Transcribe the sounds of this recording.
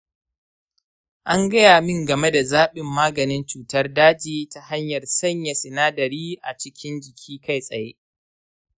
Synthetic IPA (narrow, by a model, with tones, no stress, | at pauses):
ʔa˦ŋɡɐ˦jaː˨mɪ˦˨ŋɡɐ˨me˦da˨zaː˦ɓɪ˨mːaː˦ɡɐ˨nɪ˦nt͡ʃuː˨tɐ˦rdaː˦d͡ʒiː˨ta˨ha˦ɲjɐ˨rsɐ˦ɲja˨sɪ˨naː˦dɐ˨ɾiː˦ʔa˨t͡ʃɪ˦kʲɪ˦nd͡ʒɪ˨kʲʰiː˦ka˦˨jsʼɐ˨jḛ˦